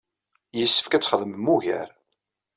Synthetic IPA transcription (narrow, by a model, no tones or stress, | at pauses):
jəsːə̥fkæt͡sːχəðˤməmːuʝæ̰ɾ